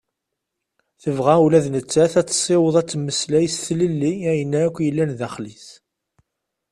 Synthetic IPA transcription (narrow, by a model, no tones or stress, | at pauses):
θəvʁæwlæðnət͡sːæθæt͡sːsˤːɪwəðˤæt͡sːmːəslæjəsθləlːiæjənːæækʷːjəlːænðæχlis